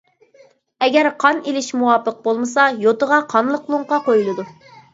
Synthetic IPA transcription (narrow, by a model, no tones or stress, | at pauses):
ɛɡʲɛɾqʰɑnilɪʃmuwɑpʰəq̚bolˠmɨsɑjot̪əʁɑqʰɑnlˠəqlˠuɴqɑqojulˠɨd̪u